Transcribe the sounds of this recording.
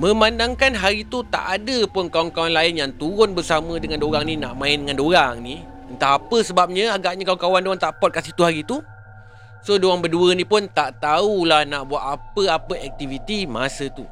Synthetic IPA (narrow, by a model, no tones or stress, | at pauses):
mə̃mandaŋkanɦaɾit̪ut̪a̰ʔadəpʊnkawaŋkawanlaɪnjaŋt̪uɾʊnbərsamə̃dəŋandoɾaŋninaʔmãɪndəŋãndoɾaŋni | ənt̪aːpəsəbap̚ɲə̃aɡaʔ̚ɲəkawaŋkawandoaŋt̪aʔpɔt̪̚kasiht̪uɦaɾit̪u | sodoaŋbərduənĩpʊnt̪aʔt̪aulahnaʔbuat̪̚apəapəɛk̚t̪ivit̪imasət̪u